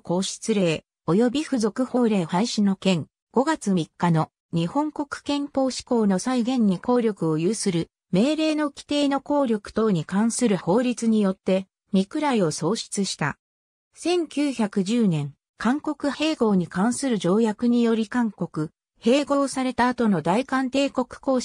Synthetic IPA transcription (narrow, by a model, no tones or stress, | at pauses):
ko̞ːɕi̥t͡sɨɾe̞ː | o̞jo̞bʲiɸɯ̟zo̞kɯ̟ho̞ːɾe̞ːhaiɕino̞kẽ̞ŋ | ɡ̥o̞ɡat͡sɨmʲikːano̞ | ɲ̟ihõ̞ŋko̞kɯ̟̥kẽ̞mpo̞ːɕi̥ko̞ːno̞saiɡẽ̞ɲ̟ːiko̞ːɾʲo̞kɯ̟o̞jɯːsɨɾɯ̟ | me̞ːɾe̞ːno̞kʲi̥t̪e̞ːno̞ko̞ːɾʲo̞kɯ̟̥t̪o̞ːɲ̟ikãɰ̃sɨɾɯ̟ho̞ːɾʲit͡sɨɲ̟ijo̞t̪ːe̞ | mʲikɯ̟ɾaio̞so̞ːɕi̥t͡sɨɕi̥t̪a̰ | sẽ̞ŋkʲɨːçakɯ̟ʑɨːnẽ̞ŋ | kãŋko̞kɯ̟he̞ːɡo̞ːɲ̟ikãɰ̃sɨɾɯ̟d͡ʑo̞ːjakɯ̟ɲ̟ijo̞ɾʲikãŋko̞kɯ̟ | he̞ːɡo̞ːsaɾe̞t̪aːt̪o̞no̞d̪aikãnt̪e̞ːko̞kɯ̟̥ko̞ː